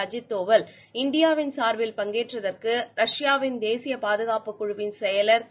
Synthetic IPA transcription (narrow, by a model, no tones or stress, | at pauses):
d͡ʒɪt̪ːoːʋɐl | ɪnd̪ɪjaːʋɪnsaːɾʋɪlpɐŋɡeːʈrɐðɐrkɯɾɐʂjaːʋɪnd̪eːsɪjɐpaːðɯɣaːpɯkːʊɻʊʋɪnsɛjɐlɐɾt̪